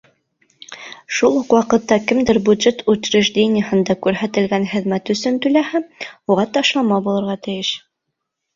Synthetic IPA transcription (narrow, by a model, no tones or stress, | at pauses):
ʃulˠhuqwɑqɤ̆t̪ːɑkɘ̆md̪ɘɾbʲʉd̪ʒet̪ʉt̪ɾɘʒd̪ʲenʲɪjəhɤ̆nd̪ɑkʉɾɦæt̪ɘ̆lɡænχɘ̆ðmæt̪ɵ̆sɵnt̪ʉlæhæmuʁɑt̪ɑʃlˠɑmɑbulˠɤ̆ɾʁɑt̪ɘ̆jɘʃ